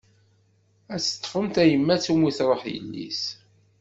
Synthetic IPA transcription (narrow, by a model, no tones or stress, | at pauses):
æt͡sːə̥t̪ˤːfəmt̪æjəmːæt͡sːumiθɾˤəχjə̰lːḭs